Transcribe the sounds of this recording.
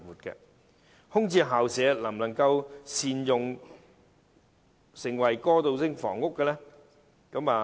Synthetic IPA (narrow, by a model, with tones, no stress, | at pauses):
wuː˨t̚kɛ̰ː˧ | hʊ˥ŋt͡siː˧ɦaː˨wsɛː˨˥lɐ˨˩mlɐ˨˩ŋkɐ˧wsiː˨˧njʊ˨ŋ | sɪ˨˩ŋwɐ˨˩jkɔː˥t̪o˧wsɪ˥ŋfɔ̰ː˨˩ŋːʊ˥kːɛ˧lɛː˥ | kɐ˨˥maː˨˧